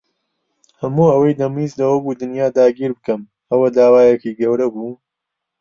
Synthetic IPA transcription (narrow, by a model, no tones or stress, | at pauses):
hɐmuːɐwɐjd̪ɐmiːzlɐwɐbuːd̪ɨnjaːd̪aːɡiːɾbɨkɐm | ɐwɐd̪aːwaːjɛkiːɡɐwɾɐbuː